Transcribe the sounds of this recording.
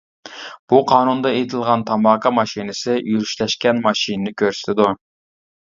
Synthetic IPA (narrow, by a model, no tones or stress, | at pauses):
b̥uqʰɑːnund̪ɑet̪ʰɪlˠʁɑnt̪ʰɑmɑːkʰɑmɑʃinɪsɪjyɾyʃlɛʃkʲɛnmɑʃinɪnɪkʲʰøɾsɪ̥t̪ʰɪd̪u